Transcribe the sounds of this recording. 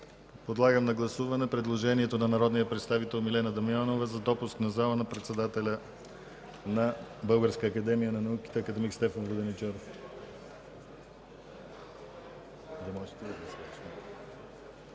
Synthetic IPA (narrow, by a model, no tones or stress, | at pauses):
pod̪lˠaɡəmnɐɡlˠɐsuvɐnɛpɾɛd̪lˠoʒɛniɛt̪onɐnɐɾɔd̪nijəpɾɛt̪st̪avit̪ɛlˠmilɛnəd̪ɐmianovəzɐd̪ɔpusknɐzalˠənɐpɾɛt̪sɛd̪at̪ɛlʲə | nɐbɤlˠɡəɾskəːkɐd̪ɛmijənɐnɐuki̥t̪ɛːkəd̪ɛmikst̪ɛfənvˠəd̪ɛnit͡ʃɛɾof | d̪ɐmɔʒɛt̪ɛd̪əd̪ɐsat͡ʃ̪ɛ